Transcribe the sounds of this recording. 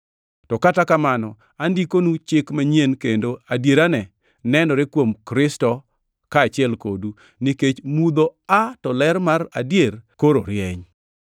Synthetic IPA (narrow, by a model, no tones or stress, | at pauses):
tɔkatakamanɔ | andikonut͡ʃɪkmaɲenkendoadjeɾanɛ | nɛnɔɾekwomkɾɪstɔ | kaːt͡ʃɪɛlko̰du | niket͡ʃmud̪oatɔlɛɾmaɾa̰djeɾkoɾo̰ɾjɛɲ